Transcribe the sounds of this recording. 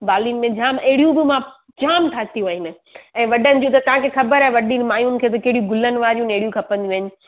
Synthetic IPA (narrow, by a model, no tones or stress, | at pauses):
baːlinɪ̆mẽd͡ʑaːmɐɦɪɽijũbɪmã | d͡ʑaːmʈʰaːt̪ijuʋɐɦɪnɪ | ɛ̃ːʋɐɗənɪ̆d͡ʑũːt̪ɐt̪ɐʋãkʰexɐbəɾaɦeʋɐɗinɪ̆maːjunɪ̆kʰeːt̪̬ɐkɐɦɪɽijũɡʊlənɪ̆ʋaːɾijũneɦɪɽijũkʰɐpə̃nd̪iũʋːɦɪnɪ̆